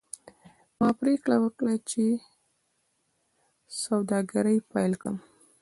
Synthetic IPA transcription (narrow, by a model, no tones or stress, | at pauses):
mɑpɾekɽawəkɽat͡ʃe | sawd̪ɑɡaɾəjpajlkɽə̰m